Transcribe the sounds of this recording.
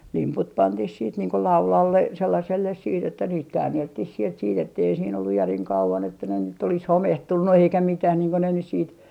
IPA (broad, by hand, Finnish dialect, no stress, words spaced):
limput pɑntih siːt niːŋ ko lɑulɑlːe selːɑselːes siːt etːæ niːt kæːnːeltːih sielt siːt etːei siːn olːuj jæriŋ kɑuʋɑn etːæ ne nyt olis homehtunːu eikæ mitæh niːŋ ko ne nys siːt